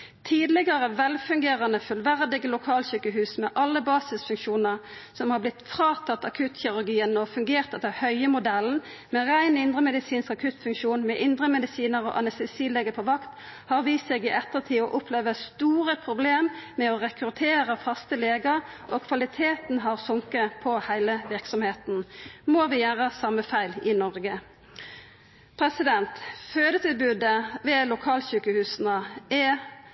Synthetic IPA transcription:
t̪ʰiːd̪lɪɡəʁəʋɛlfʉŋɡeːʁɑnəfʉlʋæʁd̪ɪɡəlʊkʰɑːlsyːkəɦʉːsmɛʔɑlːəbɑːsɪsfʉŋkʃuːnəʁsɔmhɑʁblɪt̪fʁɑːt̪ʰɑt̪ːɑkʰʉt̪çɪʁʉʁɡiːənɔfʉŋɡeːʁt̪ɛt̪ːəhœʏəmʊd̪ɛln̩ | mɛʁæɪnɪnd̪ʁəmɛd̪ɪsiːnskɑkʰʉt̪fʉŋkʃuːnmɛʔɪnd̪ʁəmɛd̪ɪsiːnəʁɔ̰ʔɑ̰nɛst̪ɛsiːleːɡəpʰɔʋɑkt̪ | hɑʁʋiːsseːɡɪʔɛt̪ːət̪ʰiːɔʔʊpʰleːʋəst̪uːʁəpʰʁʊbleːmmɛɔʁɛkɾʉt̪ʰeːʁəfɑst̪əleːɡəʁʔɔkʰʋɑlɪt̪ʰeːt̪n̩ɦɑʁsʊŋkəpʰɔhæɪləʋɪʁksɔmheːt̪n̩moːʋɪjæːʁəsɑməfæɪlɪnɔʁɡə | pʰʁɛsɪd̪ɛnt̪føːd̪ət̪ʰɪlbʉːd̪əʋɛlʊkʰɑːlɕʉːkəhʉːsnəɛ

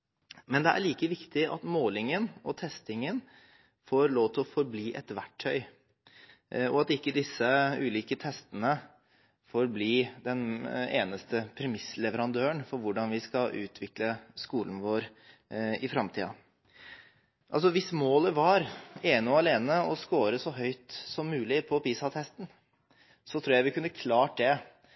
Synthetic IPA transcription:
mɛnd̪ɛʔæ̰ɭiːkəʋɪkt̪ɪʔɑ̰t̪moːlɪŋənɔt̪ʰɛst̪ɪŋən | foɾloːʋt̪ʰɔfɔɾbliːʔɛ̰t̪ʋæʈʰːœʏ | ɔɑt̪ɪkːəd̪ɪsːəʉːliːkət̪ʰɛst̪ənə | foːɾbliːd̪ɛnḛːnəst̪əpʰɾɛmɪslɛʋəɾɑnd̪øːəɳfɔɾʋʊɖɑnʋɪskɑʔʉ̰ːt̪ʰʋɪkləskuːln̩ʋoːɾ | ɪfɾɑmt̪ʰḭːɑ̰ | ʔɑls̬ɔʋɪsmoːləʋɑɾeːnɑleːnəɔskoːɾəsɔɦœʏt̪sɔmːʉːlɪpʰɔpiːsɑt̪ʰɛst̪n | sɔt̪ʰɾuːjæɪʋɪkʉnːəkʰlɑːʈ̚d̪ɛ

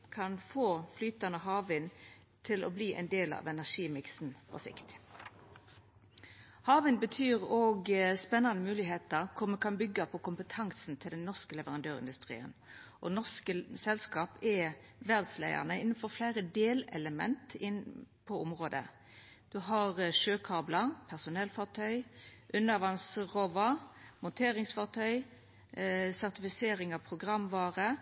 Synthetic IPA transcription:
kʰɑnfoːflyːt̪ɑnəɦɑːʋɪn | t̪ʰɪlɔ̰bliːʔɛ̰ɪnd̪eːlɑ̰ʋɛnæʂiːmɪksn̩pʰɔ̰sɪ̰kt̪ | hɑːʋɪnbət̪ʰyːʁoːɡspɛnːɑnəmʉːlɪɦeːt̪əʁkʰʊʁmɛkʰɑnbʏɡːəpʰɔkʊmpət̪ʰɑŋsn̩t̪ʰɪld̪ɛnːɔʁskəlɛʋəʁɑnd̪øːʁɪ̰nd̪ʉst̪ʁḭːə̰nʔɔnɔʁskəsɛlskɑːpɛʋɛʁd̪slæ̰ɪə̰ʁnəɪnːn̩fɔʁflæɪʁəd̪eːlɛ̰ləmɛ̰nt̪ɪnpʰɔʊmʁoːd̪ə̰ | d̪̥ʉɦɑʁʂøːkʰɑːblɑpʰæʁsʊnɛlfɑʁt̪ʰœʏʔʉnːɑʋɑŋsʁɔʋɑmʊnt̪ʰeːɾɪŋsfɑʁt̪ʰœʏ | sæʁt̪ɪfɪseːɾɪŋɑʋpʰʁʊɡʁɑmʋɑːʁə

